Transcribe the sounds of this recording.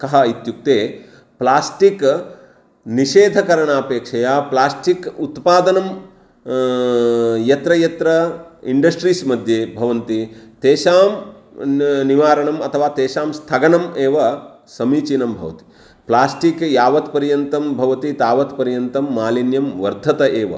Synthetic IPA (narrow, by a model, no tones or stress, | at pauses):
kɐɦɐit̪juk̚t̪eː | plaːsʈik | niʃeːd̪ʱɐkɐɾɐɳaːpeːkʂɐjaːplaːsʈikut̪paːd̪ɐnɐm | jɐt̪ɾɐjɐt̪ɾɐiɳɖɐsʈɾiːsmɐd̪ʱjeːbʱɐʋɐnt̪it̪eːʃaːm | niʋaːɾɐɳɐmɐt̪ʰɐʋaːt̪eːʃaːmst̪ʰɐɡɐɳɐmeːʋɐ | sɐmiːt͡ʃinɐmbʱɐ̰ʋɐt̪i̥ | plaːsʈikjaːʋɐt̪pɐɾjɐnt̪ɐmbʱɐʋɐt̪it̪aːʋɐt̪pɐɾjɐnt̪ɐmːaːlinjɐmʋɐɾd̪ʱɐt̪ɐʔeːʋɐ̰